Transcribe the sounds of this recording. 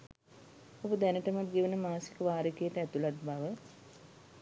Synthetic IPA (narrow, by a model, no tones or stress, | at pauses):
obəd̪ænəʈəmat̪ɡeʋənəmaːsi̥kəʋaːɾikejəʈəæt̪ulat̪̚baʋə